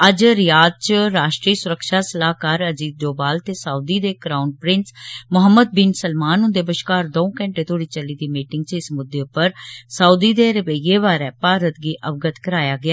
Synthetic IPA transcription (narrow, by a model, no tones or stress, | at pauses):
əd͡ʒɾɪjaːd̪̚t͡ʃɾaːʃʈɾiːsʊɾəkʃaːsəlaːkaːɾəd͡ʒiːd̪̚d͡ʒoːbaːlt̪eːsaud̪iːd̪eːkɾaːʊɳɖ̚pɾɪ̃nsmʊɦəmːəd̪̚bɪnsəlmaːnɦʊ̃nd̪eːbəʃkaːɾd̪oũkɛ̃ːɳʈeːt̪ʰoːɽiːt͡ʃəliːd̪iːmiːʈɪŋɡ̚t͡ʃɪsmʊd̪ːeːʊpːəɾsaud̪iːd̪eːɾəʋəːeːbaːɾɛ̃ːpaːɾət̪ɡiːʔəʋɡət̪kəɾaːjaːɡɪaː